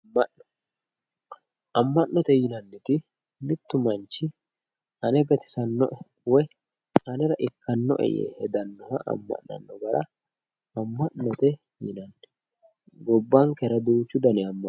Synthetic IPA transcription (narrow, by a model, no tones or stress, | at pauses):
ɐ | ʔɐmːɐʔːɔt̪ɛjɪnɐnːɛt̪ɪ | mɪt̪ːʊmɐnt͡ʃːɪ | ɐnɛɡɐt̪ɪ̥sɐnːɔ̰ʔɛ | wɔj | ɐnɛɾɐʔɪkːɐnːɔʔɛ̰jɛ̰hɛd̪ɐnːɔhɐʔɐ̰mːɐ̰ʔɐ̰nːɔbɐɾɐ | ɐmːɐʔnːɔt̪ɛ | jɪnɐnːɛ | ɡɔbːɐŋkɛɾɐd̪uːt͡ʃːʊd̪ɐnɛɐmːɐ